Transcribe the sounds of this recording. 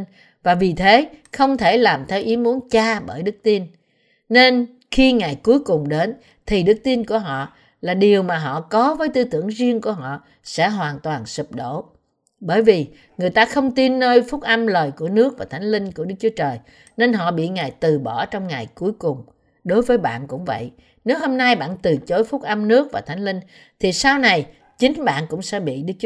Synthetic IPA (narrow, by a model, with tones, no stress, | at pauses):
n | vaː˨˩vi˨˩t̪ʰe˨˦xə˧wŋ͡mt̪ʰe˧˩laː˨˩mt̪ʰɛ˨˧wʔi˨˦mu˨˦ənt͡ɕaː˧ɓəː˧˩jɗɨ˦˥k̚t̪i˧nː | e˧n | xi˧ŋa˨˩jku˨˦jkʊ˨˩ŋ͡mɗe˨˦n | t̪ʰi˨˩ɗɨ˦˥k̚t̪i˧nku˧˩əɦɔ̰˧˨ | laː˨˩ɗi˨˩əwmaː˨˩ɦɔ̰˧˨kɔ˨˦vəː˨˦jt̪ɨ˧t̪ɨ˧˩əŋzi˧əŋku˧˩əɦɔ̰˧˨ | sɛ̰˧˥ɦwaː˨˩nt̪waː˨˩nsɨ˨˩p̚ɗo̰˧˩˨ | ɓəː˧˩jvi˨˩ | ŋɨ˨˩əjt̪aː˧xə˧wŋ͡mt̪i˧nːəː˧jfʊ˦˥t̚ʔə˧mləː˨˩jku˧˩ənɨ˦˥ək̚vaː˨˩t̪ʰjŋ̟lï˧ŋ̟kəɗɨ˦˥k̚t͡ɕu˨˦ət͡ɕəː˨˩j | ne˧nɦɔ̰˧˨ɓḭ˧˨ŋa˨˩jt̪ɨ˨˩ɓɔ˧˩t͡ɕɔ˧wŋ͡mŋa˨˩jku˨˦əjkʊ˨˩ŋ͡m | ɗo˨˦jvəː˨˦jɓa̰ː˧˨nkʊ̰˧˥ŋ͡mvə̰˧˨jʔ | ne˨˦who˧mna˧jɓa̰ː˧˨nt̪ɨ˨˩t͡ɕo˨˦jfʊ˦˥ʔə˧mnɨ˦˥ək̚vaː˨˩t̪ʰa˨˦jŋ̟li˧ŋ̟ | t̪ʰi˨˩saː˧wna˨˩j | t͡ɕï˨˦ŋ̟ɓa̰ː˧˨nkʊ̰˧˥ŋ͡msɛ̰˧˥ɓḭ˧˨ɗɨ˦˥k̚